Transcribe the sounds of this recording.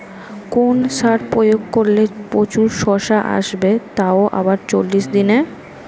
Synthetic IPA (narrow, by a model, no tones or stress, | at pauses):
konʃaɾpojoɡ̚koɾlepɾot͡ɕuɾʃɔʃaʔa̰ʃbet̪aoʔa̰βaɾt͡ɕolːiʃd̪ine